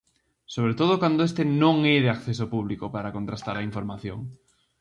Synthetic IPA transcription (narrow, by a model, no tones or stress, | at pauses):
soβ̞ɾet̪oð̞okwand̪oest̪enõŋeðeakθes̬opuβ̞likopaɾakont̪ɾast̪aɾaiɱfoɾmaθjoŋ